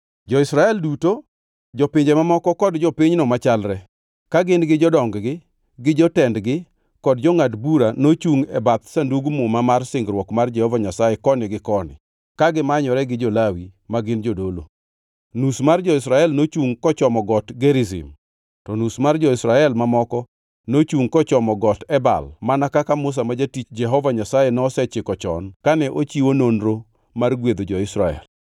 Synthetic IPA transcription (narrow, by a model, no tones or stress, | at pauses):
d͡ʒɔɪsɾaɛlduto | d͡ʒɔpɪɲd͡ʒɛmamɔkɔkɔdd͡ʒɔpɪɲnɔmat͡ʃalɾɛ | kaɡɪnɡɪd͡ʒɔdɔŋɡɡɪ | ɡɪd͡ʒɔtɛndɡɪ | kɔdd͡ʒɔŋadbuɾanot͡ʃuŋɛbat̪sanduɡmomamarsɪŋɡɾwɔkmard͡ʒɛhɔvaɲasaɛkɔnɪɡɪkɔnɪ̰ | kaɡɪmaɲɔɾɛɡɪd͡ʒɔlawimaɡɪnd͡ʒodolo̰ | nusmard͡ʒɔɪsɾaɛlnot͡ʃuŋkɔt͡ʃɔmɔɡɔtɡeɾɪzɪ̰m | tɔnusmard͡ʒɔɪsɾaɛlmamɔkɔ | not͡ʃuŋkɔt͡ʃɔmɔɡɔtɛba̰lmanakakamʊs̬amad͡ʒatit͡ʃd͡ʒɛɦɔvaɲasajenɔsɛt͡ʃɪkɔt͡ʃɔ̰nkanɛʔot͡ʃiwononɾo | marɡwed̪od͡ʒɔɪsɾaɛ̰l